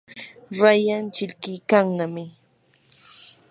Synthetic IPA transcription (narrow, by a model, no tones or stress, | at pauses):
ɾajant͡ʃɪʎkɪjkaŋnamɪ